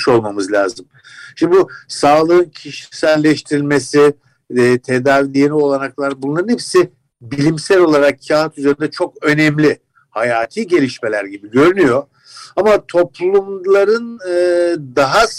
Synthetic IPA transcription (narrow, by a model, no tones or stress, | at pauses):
ʃo̞lˠmamɯzlʲa̰ːzɯm | ʃmbusaːlˠɯɯncʰiʃi̥sælʲːɛʃt̪ʰiɾilʲme̞sɪ | t̪ʰe̞d̪aːvilʲijenʲio̞lˠanaklˠaɾbunlˠaɾɯnhepsɪ | bilʲimsælo̞lˠaɾakcʰaɦat̪ʰyzeɾind̪ɛt͡ʃʰo̞kø̞nɛmlʲɪ | hajaːt̪ʰiːɟe̞lʲiʃme̞lʲæɾɟibiɟø̞ɾynyjo̞ | amat̪ʰo̞plˠumlˠaɾɯnɯd̪aɦa